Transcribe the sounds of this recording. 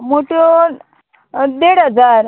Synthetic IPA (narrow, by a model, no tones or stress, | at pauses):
moʈo | d̪eɽəd͡zaɾ